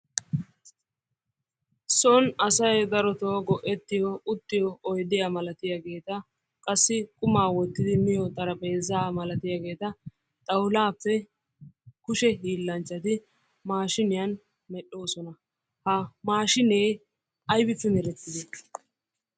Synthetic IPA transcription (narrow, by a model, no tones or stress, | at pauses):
sɔnɐsɐjd̪ɐɾɔt̪oːɡɔʔɛt̪ːɪjɔʊt̪ːɪjɔɔjd̪ɪjamɐlɐt̪ɪjaɡe̞ːt̪ɐ | kʼɐsːɪkʼʊmaːwɔt̪ːɪd̪ɪmɪjɔt̪ʼɐɾɐpʼe̞ːzaːmɐlɐt̪ɪjaɡe̞ːt̪ɐ | t̪ʼɐwlaːpːɛ | kʊʃɛɦiːlːɐnt͡ʃːɐt̪ɪ | maːʃɪnɪjɐn | mɛɗo̞ːsɔnɐ | hɐmaːʃɪneː | ɐjbɪtːʊnɛɾɛt̪ːɪd̪ɛ